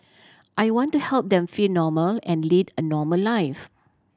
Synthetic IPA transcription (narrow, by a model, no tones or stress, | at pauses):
ʔajwɔ̃ntuhɛlp̚d̪ɛ̃mfilnɔməlɛ̃nlidənɔməlaɪf